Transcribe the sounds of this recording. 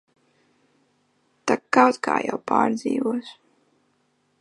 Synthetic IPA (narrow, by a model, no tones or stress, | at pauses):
t̪akkːawt̪kʰa̰ːja̰wpaːɾd̪ziːvuɔs